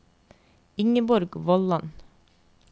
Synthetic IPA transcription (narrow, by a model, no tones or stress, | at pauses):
ɪŋəbɔɾɡʋɔlɑn